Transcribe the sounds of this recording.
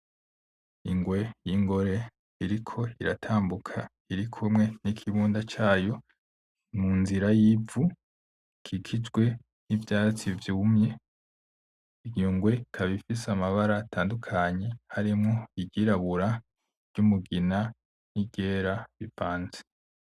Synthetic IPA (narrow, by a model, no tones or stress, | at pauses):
iŋɡwe̞jiŋɡo̞ɾe̞ | iɾikʰo̞iɾatʰaːmbukʰa | iɾikʰumŋe̞nikʰiβuːndat͡ʃaːjo̞ | munziɾajivu | kʰikʰid͡ʒɡwe̞ | nivjaːt͡sivjumɲe̞ | iɡuːŋɡwe̞kʰaβifisamaβaɾatʰaːndukʰaɲe̞haɾimŋoiɟiɾaβuɾa | ɾɟ̥umuɡina | niɟeːɾaβivaːnze̥